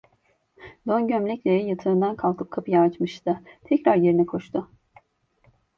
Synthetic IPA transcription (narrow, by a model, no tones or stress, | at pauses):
d̪onɟømlʲɛclʲeɾijat̪ʰɯɾɯnd̪ankʰalˠk̪ʰɯp̚kʰapʰjaːt͡ʃmɯʃt̪ɯt̪ʰɛcɾaɾjeɾinɛkʰo̞ʃt̪ʰʊ